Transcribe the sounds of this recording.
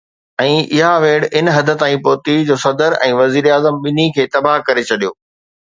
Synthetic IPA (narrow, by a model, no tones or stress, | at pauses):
ɛ̃ːʔɪɦaʋeːɽɪnɦɐd̪ʱə̆t̪aːĩpoːt̪id͡ʑoːsɐd̪əɾɛ̰̃ːʋɐziːɾaːzəmɓɪnikʰeːt̪ɐbaɦkɐɾet͡ɕʰɐɗijoː